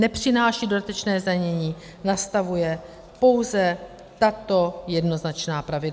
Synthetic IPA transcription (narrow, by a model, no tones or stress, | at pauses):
nɛpr̝̥ɪnaːʃiːdo̞dat̪ɛt͡ʃnɛːzdaɲɛɲiː | nast̪avujɛ | po̞wzɛ | t̪at̪o̞jɛdno̞znat͡ʃnaːpɾavɪdla